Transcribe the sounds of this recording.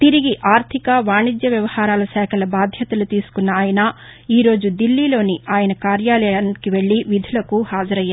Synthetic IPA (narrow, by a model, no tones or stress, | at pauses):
t̪iɾiɡiʔaːɾt̪ʰikɐʋaːɳid̪jɐʋjɐʋɐhaːɾaːlɐsɛːkʰɐlɐbaːd̪ʱjɐt̪ɐlut̪iːsu̥kunːɐːjɐnɐ | iːɾo̞ːd͡ʒud̪ilːiːlo̞ːniaːjɐnɐkaːɾjaːlɛankiʋe̞ɭːiʋid̪ʱulɐkuhaːd͡ʒɐɾɐjːaː